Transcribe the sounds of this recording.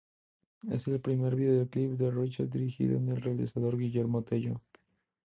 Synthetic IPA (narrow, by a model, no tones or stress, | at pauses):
e̞̰se̞lpɾime̞ɾβiðeoklipd̪erit͡ʃeɾd̪iɾixḭðo̰enelrealḭsaðo̞ɾɣiʝeɾmot̪e̞ʝo̰